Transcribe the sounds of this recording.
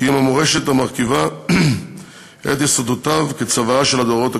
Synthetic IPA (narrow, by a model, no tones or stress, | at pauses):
iimamoʁeʃet̪hamaʁkiva | hḛt̪jesod̪ot̪avket͡savaaʃe̞lad̪oʁo̞t̪a